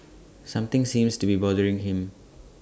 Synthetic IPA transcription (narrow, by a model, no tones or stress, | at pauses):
sʌ̃mt̪ĩŋsĩmstubibɔdəɹĩŋɦĩm